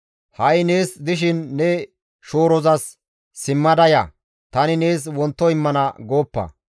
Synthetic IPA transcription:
hɐjneːsd̪ɪʃ̬ɪnːɛ | ʃoːɾɔzɐsː | ɪmːɐd̪ɐjɐ̰ | t̪ɐnɪne̞ːswɔnt̪ːɔɪmːɐnɐɡo̞ːpːɐ̰

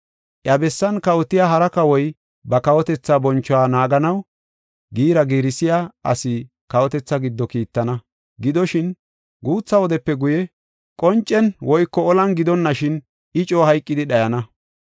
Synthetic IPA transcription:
ʔjɐbɛsːɐnkɐwɔt̪ɪjaɦɐɾɐkɐwɔj | bɐkɐwɔt̪ɛt͡sːabɔnt͡ʃːɔwaːnaːɡɐnɐw | ɡiːɾɐɡiːɾɪsɪjaːɐ̰sɪ | kɐwɔt̪ɛt͡sːɐɡɪd̪ːɔkiːt̪ːɐnɐ | ɡɪd̪ɔʃɪn | ɡuːt͡sːɐwɔd̪ɛpːɛɡʊjɛ | kʼɔnt͡ʃʼːɛnwɔjkːɔɔlɐnɡɪd̪ɔnːɐʃɪn | ɪt͡ʃʼoːhɐjkʼːɪd̪ɪɗɐjɐnɐ

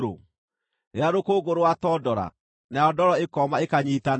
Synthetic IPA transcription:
ɾo̰ | eaɾokoɡoɾowatɔdɔɾa̰ | naɔdɔɾɔekɔmaekaɲiːtan

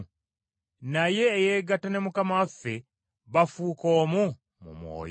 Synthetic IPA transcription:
naje̞ːjeɡatane̞mukamafːe̞ | βafuːko̞ːmu | mṵmwo̰ːj

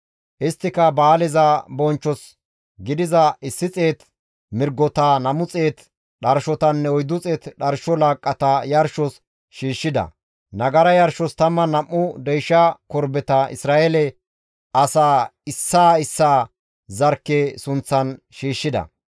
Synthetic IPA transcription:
ʔɪst̪ːɪkɐbaːlɛzɐbɔnt͡ʃːɔs | ɡɪd̪ɪzɐʔɪsːɪt͡sʼe̞ːt̪ | mɪɾɡɔt̪aːnɐmʊt͡sʼe̞ːt̪ | ɗɐɾʃɔt̪ɐnːɛɔjd̪ːʊt͡sʼe̞ːt̪ɗɐɾʃɔlaːkʼːɐt̪ɐjɐɾʃɔs | ʃiːʃːɪd̪ɐ̰ | nɐɡɐɾɐjɐɾʃɔst̪ɐmːɐnɐmːʊd̪ɛjʃːɐkɔɾbɛt̪ɐʔɪ̰sɾaːʔelɛ | ʔɐsaːɪsːaːɪsːaː | zɐɾkːesʊnt͡sːɐn | ʃiːʃːɪd̪ɐ̰

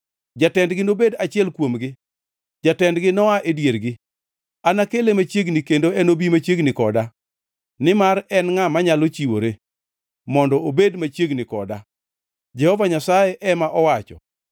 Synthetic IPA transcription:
d͡ʒatɛndɡɪnobedat͡ʃɪɛlkwomɡɪ | d͡ʒatɛndɡɪnɔaʔedjeɾɡɪ | anakelemat͡ʃjeɡnɪkendoɛnobimat͡ʃeɡnɪkɔda | nɪmaɾɛnŋamaɲalot͡ʃiwo̰ɾe | mɔndɔobedmat͡ʃjeɡnɪkɔ̰da | d͡ʒɛhɔvaɲasajɛʔɛmaʔɔwat͡ʃɔ̰

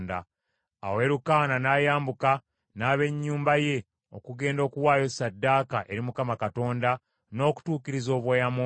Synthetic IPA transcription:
nda̰ | a̰we̞ɾukaːnanaːjaːmbuka | naːβe̞ɲːuːmbaje̞ | o̞̰kuɡe̞ːndo̞ːkuwaːjo̞sadːaːkaʔe̞ɾimukamakato̞ːnda | no̞ːku̥tuːkiɾizo̞ːβwejamo

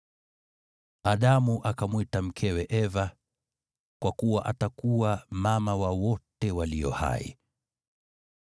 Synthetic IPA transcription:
aɗamuʔakamwitam̩kʰɛwɛʔɛva | kwʔakuwaʔatakuwamamawawɔtɛwaliɔ̰ha̰ḭ

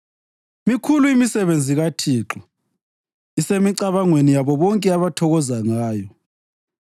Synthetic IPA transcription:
mikʰuluimisɛβend͡zʱiɣatʰiːǁɔ | isemiǀaβaŋwenijaβɔβɔŋkʼɛaβatʰɔɣɔzaŋaːjɔ

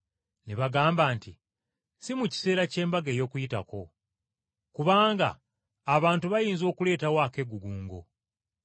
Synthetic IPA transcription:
neβaɡaːmbaːnti | simuci̥se̞ːɾace̞ːmbaɡejo̞ːkujita̰ko̞ | kuβaːŋɡa̰ː | βaːntuβajiːnzo̞ːkule̞ːtawake̞ɡuɡuːŋɡo̞̰

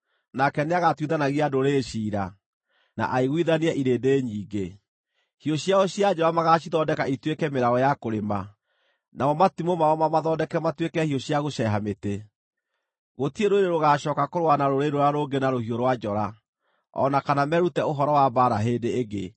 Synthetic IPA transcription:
nakɛneaɣatwiðanaɣiadoɾeʃiːɾa | na̰ʔaiɣiðaniɛʔiɾeːdeːɲiːɡe | hioɕiaɔɕiad͡ʒɔɾamaɣaɕiðɔdɛkaitwekɛmeɾaɣɔjakoɾema | namɔmatimomaɔmamaðɔdɛkɛmatwekɛhioɕiaɣoʃɛɦamete | ɣotieɾoeɾeɾoɣaɕɔːkakoɾowanaɾoɾeɾoɾaɾoɡenaɾohioɾwad͡ʒɔɾa | ɔ̰nakanamɛɾutɛoɦɔɾɔwabaɾaɦeːdeːɡe

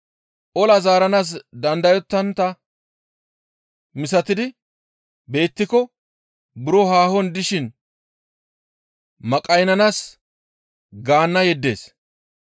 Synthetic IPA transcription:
ʔɔlɐzaːɾɐnaːs̬d̪ɐnd̪ɐjɔt̪ːɐnt̪ɐ | mɪsɐt̪ɪd̪ɪ | be̞ːt̪ːɪkɔ | bʊɾɔhaːhɔnd̪ɪʃɪn | mɐkʼɐjnɐnaːs | ɡaːnːɐjɛd̪ːe̞̰ːs

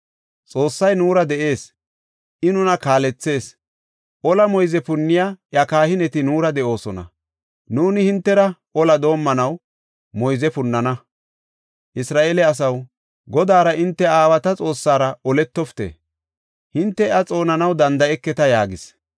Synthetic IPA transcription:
t͡sʼo̞ːsːɐjnuːɾɐd̪ɛʔe̞ːs | ʔɪnʊnɐkaːlɛt͡sːe̞ːs | ʔɔlɐmɔjzɛpʊnːɪjaːʔjɐkaːhɪnɛt̪ɪnuːɾɐd̪ɛʔo̞ːsɔnɐ̰ | nuːnɪhɪnt̪ːɛɾɐʔɔlɐd̪o̞ːmːɐnɐw | mɔjzɛpʊnːɐnɐ | ʔɪsɾaːʔeːlɛɐs̬ɐw | ɡɔd̪aːɾɐɪnt̪ːɛaːwɐt̪ɐt͡sʼo̞ːsːaːɾɐʔɔlɛt̪ːɔft̪ḛː | hɪnt̪ːɛʔɐt͡sʼo̞ːnɐnɐwd̪ɐnd̪ɐɛkːɛt̪ɐjaːɡɪs

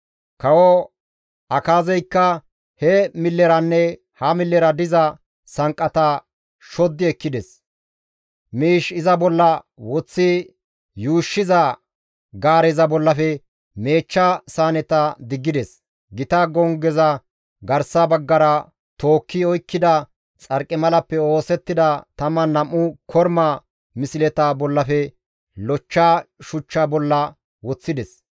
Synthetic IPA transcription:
kɐwɔ | ʔɐkaːzɛjkːɐ | hɛmɪlːɛɾɐnːɛ | hɐmɪlːɛɾɐd̪ɪzɐ | sɐŋkʼːɐt̪ɐ | ʃɔd̪ːɪɛkːɪd̪ɛs | miːʃɪzɐbɔlːɐ | wɔt͡sːɪ | juːʃːɪzɐ | ɡaːɾɛzɐbɔlːɐfɛ | me̞ːt͡ʃːɐsaːnɛt̪ɐd̪ɪɡːɪd̪ɛs | ɡɪt̪ɐɡɔŋɡɛzɐ | ɡɐɾsɐbɐɡːɐɾɐ | t̪oːkːɪɔjkːɪd̪ɐ | t͡sʼɐɾkʼːɪmɐlɐpːɛo̞ːsɛt̪ːɪd̪ɐt̪ɐmɐnɐmːʊkʰɔɾmɐ | mɪsɪlɛt̪abɔlːɐfɛ | lɔt͡ʃːaːʃʊt͡ʃːabɔlːɐ | wɔt͡sːɪd̪ɛs

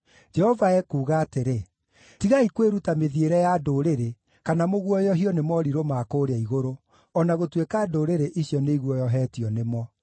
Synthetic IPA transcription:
d͡ʒɛhɔvaɛkuːɣaːteɾe | tiɣaikweɾutameðieɾɛjadoːɾeɾe | kanamoɣwɔjɔɦiɔnemɔɾiɾomaːkoːɾeaiɣoɾo | ɔnaɣotwekaːdoːɾeɾeʔiɕjɔneiɣwɔjɔɦɛːtiɔnemɔ

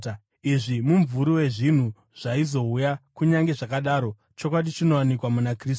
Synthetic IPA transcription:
iʐimuɱvuɾuwe̞ʐin̤u | ʐ̥aizo̞ujakuɲaŋɡe̞ʐakaɗaɾo̞ | t͡ʃo̞kwaɗit͡ʃino̞wanikwamunakris

